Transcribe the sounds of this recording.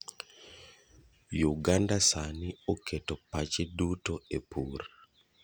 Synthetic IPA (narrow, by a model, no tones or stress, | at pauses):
juɡandasaniokʰetɔpat͡ʃedutoepʰur